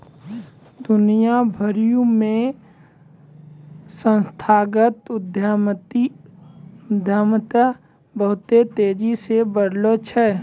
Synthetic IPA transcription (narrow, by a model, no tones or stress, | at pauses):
d̪ʊnijabʱəɾijũmẽ | sə̃nst̪ʰaːɡət̪ʊd̪ʱjt̪i | d̪ʱjaːmt̪a | bəɦʊt̪et̪eːd͡ʒisebəɽ̤lot͡ʃʰɛː